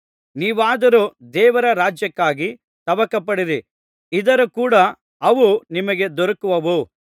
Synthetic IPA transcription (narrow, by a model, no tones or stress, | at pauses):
niːʋaːd̪ɐɾud̪ɛːʋɐɾɐɾaːd͡ʒjɐkːaːɡi | t̪ɐʋɐkɐpɐɽiɾi | id̪ɐɾukuːɽɐ | ɐʋunimɐɡe̞d̪ɔɾɐkuʋɐʋu